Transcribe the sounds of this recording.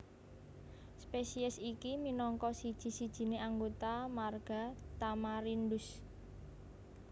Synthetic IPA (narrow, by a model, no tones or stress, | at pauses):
spesiɛsikiminɔŋkɔsid̥ʒ̥i̤sid̥ʒ̥i̤neʔaŋɡot̪amarɡ̥a̤t̪amaɾindʊs